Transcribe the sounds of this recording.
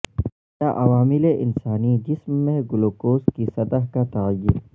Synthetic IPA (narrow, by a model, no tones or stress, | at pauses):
t̪aʔɐʋaːmɪleʔɪnsaːnid͡ʒɪsmːẽɡʊloːkoːskisɐt̪əɦkat̪ɐɣəjːiɾ